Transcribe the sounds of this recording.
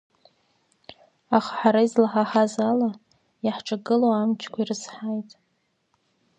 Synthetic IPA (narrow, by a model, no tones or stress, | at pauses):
aχħaɾaizlaħaħazala | jaħʈ͡ʂʼaɡɨlowamt͡ʃʰkʷʰairɨsħajtʼ